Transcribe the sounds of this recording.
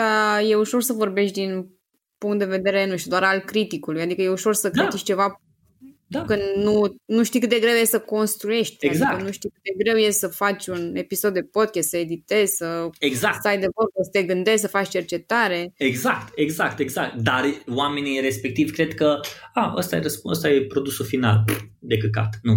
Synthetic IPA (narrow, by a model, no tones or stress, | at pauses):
d̪aje̞uʃo̞rsəvo̞rbe̞ʃt̪ʲd̪in | puŋkt̪̚d̪e̞ve̞d̪e̞ɾenuʃt̪ʲud̪oaɾalkɾit̪ikulujad̪ikəje̞uʃo̞rsəkɾit̪it͡ʃʲt͡ʃe̞va | d̪akɨnd̪nunuʃt̪ijkɨt̪d̪e̞ɡɾe̞wjessəko̞nst̪ɾuje̞ʃt̪̚ʲeɡanuʃt̪ikɨt̪̚d̪eɡɾe̞wjessəfat͡ʃʲune̞piso̞d̪ːe̞po̞d̪̚kʲɛst̪səe̞d̪it̪e̞z̥ʲsəeɡzaksajd̪evərbəsə̥t̪eɡɨnd̪ezʲsəfat͡ʃt͡ʃert͡ʃe̞t̪aɾe̞eɡzakt̪eɡzakt̪eɡzak̚t̪d̪arwame̞niɾe̞spe̞k̚t̪ivʲkɾe̞d̪kəaə̰st̪ajeɾəspuə̰st̪ajepɾo̞d̪usulfina̰l | d̪e̞kəka̰t̪nu